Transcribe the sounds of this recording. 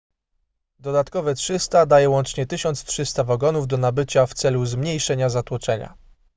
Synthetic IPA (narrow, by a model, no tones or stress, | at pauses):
d̪ɔd̪at̪kɔvɛtʂɘst̪ad̪ajɛwɔnt͡ʂɲɛt̪ɘɕɔnt̪stʂɘst̪avaɡɔnuvd̪ɔnabɘt͡ɕaft̪sɛluzmɲejʂɛɲazat̪wɔt͡ʂɛɲa̰